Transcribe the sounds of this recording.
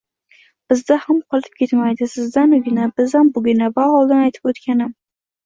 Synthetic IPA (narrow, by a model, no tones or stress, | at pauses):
b̥ɪzd̪ahamqʰɒlˠɪp̚kʲʰe̞t̪majd̪ɪsɪzd̪anʊɡʲɪnabɪzhambʊɡʲɪnavahɒlˠd̪anajt̪ʰɪ̥pot̪kʲʰanɪm